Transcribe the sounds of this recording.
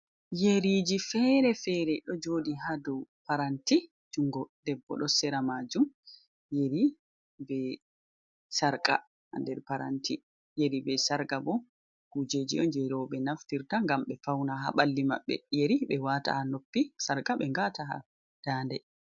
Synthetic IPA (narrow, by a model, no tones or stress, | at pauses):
jeɾid͡ʒifɛɾɛfɛɾɛɗɔd͡ʒoːdiɦadupaɾanti | d͡ʒuŋɡɔd̥ɛbːɔ̰ɗɔsɛɾamad͡ʒum | jeɾi | bɛ | saɾka̰ | ha̰ndɛɾpaɾa̰nti | jeɾibɛsaɾɡabɔ | kud͡ʒeːd͡ʒḭɔnd͡ʒɛɾɔɓɛnaftiɾtaŋɡamɓɛfawnaɦa̰ɓalːima̰ɓːɛ̰jeɾiɓɛwata̰hanopːisaɾkaɓɛŋɡataɦa̰ | d̥aːndɛ